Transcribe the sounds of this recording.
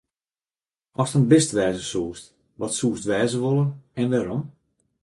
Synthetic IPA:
ɔstənbɪstʋɛːzəsuːst | ʋɔtsuːstʋɛːzəʋolˠənɛnʋɛːɾɔm

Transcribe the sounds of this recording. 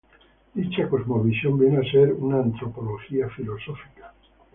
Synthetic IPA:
d̪it͡ʃakozmoβisjombjeneaseɾunaːnt̪ɾopoloxiafilosofi̥kḁ

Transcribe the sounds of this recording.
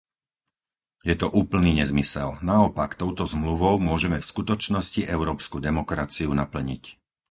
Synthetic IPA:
jɛt̪ɔʔuːpl̩niːɲɛzmisɛlnaɔpakt̪ɔʊt̪ɔzmluʋɔʊmʊɔʒɛmɛfskut̪ɔt͡ʃnɔsciʔɛʊɾɔːpskud̪ɛmɔkɾat͡siunapl̩ɲḭc

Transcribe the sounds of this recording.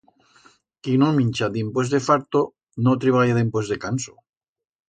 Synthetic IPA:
kinuminʲt͡ʃad̪impoz̬d̪efaɾt̪o | not̪ɾiβaljaðimpozd̪ekanso

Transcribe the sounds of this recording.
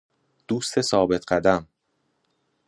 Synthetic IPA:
d̪̥uːst̪ʰe̞sɒːbe̞t̪ʰɢæd̪æm

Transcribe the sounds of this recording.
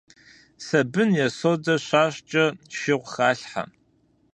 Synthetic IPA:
sɐbɨnjɛsodɐɕʷaːɕt͡ʃʼɐʃɪʁʷxaːɬħa̰

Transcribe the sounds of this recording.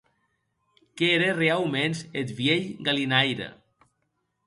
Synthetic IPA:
keeɾerealmenset̪βjeʎɡalinajɾa̰

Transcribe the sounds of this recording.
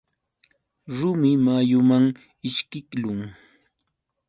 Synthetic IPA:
ɾʊmɪmajʊmaŋ | ɪʃkɪklʊŋ

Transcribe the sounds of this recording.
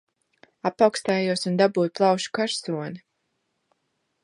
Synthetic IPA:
apawkst̪aːjuɔsund̪abuːjplˠɑwʃu̥kaɾsuɔni

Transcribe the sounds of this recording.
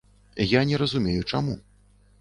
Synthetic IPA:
janʲɛɾɐzumʲejut͡ʂamṵ

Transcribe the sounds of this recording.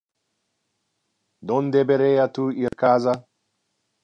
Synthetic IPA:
d̪õnd̪ebeɾejat̪uiɾkaza

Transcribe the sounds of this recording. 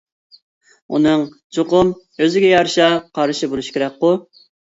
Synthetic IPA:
ṵnɨŋ | t͡ʃʰoqʊm | øzɪɡʲɛjɑɾʃɑqʰɑɾɨʃibolˠuʃkʲeɾɛk̚qːʊ

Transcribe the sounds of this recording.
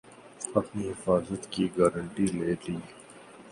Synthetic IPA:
ɐpniɦɪfaːzət̪kiɡaːɾə̃ɳʈileːd̪iː

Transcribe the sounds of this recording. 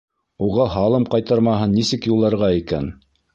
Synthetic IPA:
uʁɑɦɑlˠɤmqɑjt̪ɑɾmɑɦɤnːisɘkjulˠːɑɾʁɑikæ̰n

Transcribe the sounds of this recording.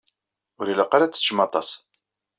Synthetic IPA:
ʊɾilaqːaɾat͡sːə̥ʃmɑt̪ˤɑ̰s

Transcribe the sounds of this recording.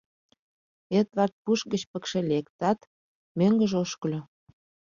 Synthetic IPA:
et̪βɑt̪̚puʃɡət͡ɕpə̆kʃelekt̪ɑt̪ | møŋɡəʒoʃkəlʲo

